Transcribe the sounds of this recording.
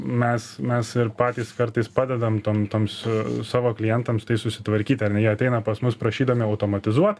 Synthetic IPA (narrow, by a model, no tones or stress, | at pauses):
mʲɛsmʲɛsɪɾpɑːt̪ʲiːskɐɾt̪ɐɪspɑːd̪ʲɛd̪ɐmt̪oːmt̪oːmssɑːʋoːklʲɪjɛnt̪ɐmst̪ɐɪsʊsʲɪ̥t̪ʋɐɾʲkʲiːt̪ʲɐɾnʲɛjiɛɐt̪ʲɛɪnɐpɐsmʊspɾɐʃʲiːd̪ɐʋmʲɪɐʊt̪oːmɐt̪ʲɪzuɔt̪